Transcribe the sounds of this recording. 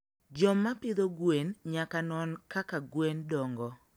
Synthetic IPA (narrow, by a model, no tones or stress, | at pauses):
d͡ʒɔmːapɪd̪oɡwenɲakanɔnkakaɡwendɔŋɡɔ